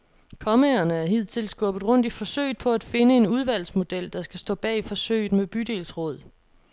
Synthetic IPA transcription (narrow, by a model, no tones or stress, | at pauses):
kʰɒ̽meɐnəæɐɦið̰ˠt͡sʰe̝lsɡ̥ɔb̥ð̩ˠʁɔ̽n̰d̥ifɒ̽sø̰ɪ̰d̥̚pʰɒ̽æd̥fe̝nəe̝nuð̞ˠʋæl̰smo̝d̥el̰d̥ɑ̈sɡ̥æsd̥ɔ̰̽ːb̥ɛ̰ːifɒ̽sø̰ɪ̰d̥meb̥yd̥e̝̰ːlsʁɔ̽ð̞̰ˠ